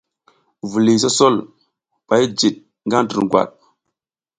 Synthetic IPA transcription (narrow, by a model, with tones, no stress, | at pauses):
vu˨li˨s̬o˦so˦l | pa˨jd͡ʒi˨ɗ̚ | ŋɡa˦ŋtə̰˨ɾɡwa̰˨ɗ̚